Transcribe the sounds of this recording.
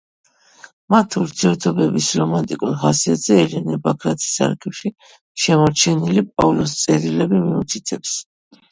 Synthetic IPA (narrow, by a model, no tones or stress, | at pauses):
mat̪ʰuɾt̪ʰiɛɾt̪ʰɔbɛbisɾɔmant̪ʼikʼuɾχasiat̪zɛɛlɛnɛbakʰɾat̪ʰi̥sa̰ɾɡɛfʃi | ʃɛmɔɾt͡ʃʰɛnilipʼavlɔst̪sʼɛɾilɛbimiut̪ʰit̪ʰɛps